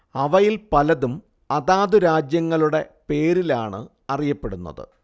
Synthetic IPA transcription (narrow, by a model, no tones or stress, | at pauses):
ɐʋɐjilpɐlɐðum | ɐðaːðuɾaːd͡ʑjɐŋːɐɭuɽe̞pe̞ːɾilaːɳɨ̰ | ɐrijɐpːe̞ɽunːɐ̰ðɨ̰